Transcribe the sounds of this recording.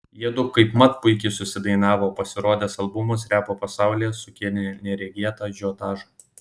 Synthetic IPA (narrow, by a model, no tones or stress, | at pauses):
jiɛd̪ʊkɐɪpmɐt̪pʊɪkʲɛɪsʊsʲɪd̪ɐɪnɑːʋoːpɐsʲɪɾoɔd̪ʲeːsɐlˠbʊmɐsɾʲæːpoːpɐsɑˑʊlʲijsʊkʲilʲnʲɛnʲɛɾʲɛɡʲiɛt̪ɑːʒʲɔːt̪ɑːʒɐ